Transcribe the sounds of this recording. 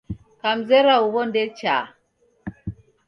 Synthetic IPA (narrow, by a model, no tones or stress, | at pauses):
kam̩zɛɾauβɔndɛt͡ʃa̰